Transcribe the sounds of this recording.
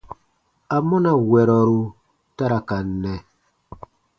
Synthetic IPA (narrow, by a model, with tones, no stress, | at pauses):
a˨mɔ˦na˦˨wɛ˨ɾɔ˨ɾu˦ | ta˦ɾa˨ka˨nːɛ˨